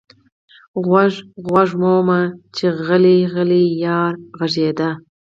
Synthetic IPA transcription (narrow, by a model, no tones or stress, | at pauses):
ɣwaʒɣwaʐmomat͡ʃeɣəliɣəlijɑːɾɣaʐed̪a